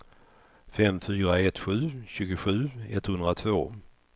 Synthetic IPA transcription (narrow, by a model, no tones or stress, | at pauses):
fɛmfyːɾaɛt̪ɧʉ̟ːɕʉ̟ːɡʊɧʉ̟ːɛt̪hɵnd̪ɾat̪ʰvoː